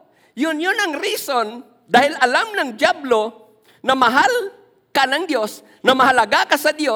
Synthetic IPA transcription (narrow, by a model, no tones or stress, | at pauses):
jʊnjʊnɐŋɾison | d̪aːhɪlʔɐlamnɐŋd̪jablo | nɐmɐɦal | kanɐŋd̪jo̞s | nɐmɐhɐlɐɡakɐsɐd̪jo